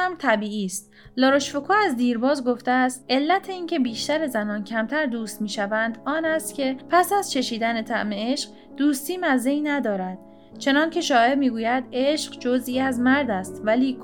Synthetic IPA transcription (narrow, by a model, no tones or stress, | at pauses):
æmt̪ʰæbiːʔiːst̪ | lɒːɾoʃfokʰoːæzd̪iːɾbɒːzɡo̞ft̪eæst̪ʔe̞lːæt̪ʰe̞iːncʰe̞biːʃt̪æɾe̞zænɒːncʲʰæmt̪ʰæɾd̪uːst̪miːʃævænd̪ɒːnæst̪cʲʰe̞pʰæsæz̥t͡ʃʰe̞ʃiːd̪ænet̪ʰæʔme̞eʃɢ̥ | d̪̥uːst̪iːmæzeinæd̪ɒːɾæd̪̥̚ | t͡ʃʰe̞nɒːncʰe̞ʃɒːjemiːɡuːjæd̪e̞ʃqd͡ʒoziːæzmæɾd̪æst̪væliː